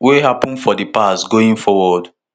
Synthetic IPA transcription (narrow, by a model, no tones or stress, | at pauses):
weɦapɔ̃nfɔdipasɡoĩnfɔwɔd